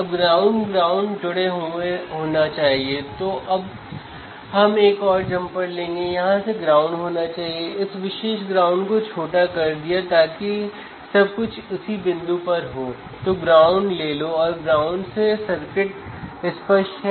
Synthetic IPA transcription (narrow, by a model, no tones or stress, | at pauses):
ɐbɡɾaːʊ̃ɳɖɡɾaːʊ̃ɳɖd͡ʒʊɽeɦoeɦoːnat͡ʃaːɦiet̪oːʔɐb̚ | ɦɐmeːkɔːɾd͡ʒɐ̃mpəɾlẽːŋɡejɐɦãseɡɾaːʊ̃ɳɖɦoːnat͡ʃaːɦieɪsʋɪʃeːʃɡɾãːʊ̃ɳɖkot͡ʃʰoːʈakɐɾd̪ijat̪aːki | sɐb̚kʊt͡ʃʰʊsibɪ̃nd̪upɐɾɦoː | t̪oɡɾaːʊ̃ɳɖleːloɔːɾɡɾaːʊɳɖsesɐɾkɪʈɪspəʃɦ